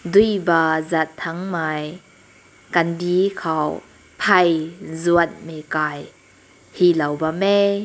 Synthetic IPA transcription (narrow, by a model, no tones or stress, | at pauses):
dujbazat̪ʰːaŋmaːj | kandikʰaw | pʰɐjzuət̚mekaːj | hilɐwbame